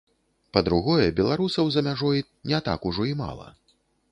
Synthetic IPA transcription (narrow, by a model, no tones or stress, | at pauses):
pɐd̪ɾuɣɔjɛbʲɛlˠaɾusɐwzɐmʲaʐɔj | nʲɛt̪a̰kuʐɔima̰lˠɐ̰